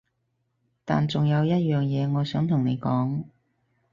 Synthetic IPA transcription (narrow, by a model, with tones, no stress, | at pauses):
t̪aː˨nt͡sʊ˨ŋjɐ˨˧wjɐ˥t̚jœː˨˩ŋjɛː˨˧ŋɔː˨˧sœː˨˥ŋt̪ʰʊ˨˩ŋne˨˧jkɔː˨˥ŋ